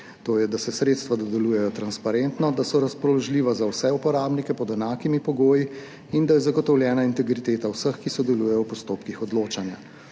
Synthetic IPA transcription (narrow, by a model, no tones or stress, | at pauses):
t̪oːjɛd̪asɛsɾeːt̪st̪ʋad̪ɔd̪ɛluːjɛjɔt̪ɾanspaɾent̪nɔd̪asɔɾaspɾɔlɔʒliːʋazawsɛupɔɾaːbnikɛpɔd̪ɛnaːkimipɔɡoːji | ind̪ajɛzaɡɔt̪ɔwljɛːnaint̪ɛɡɾit̪eːt̪awsəxkisɔd̪ɛlujɛjɔwpɔst̪oːpkixɔd̪loːt͡ʃanja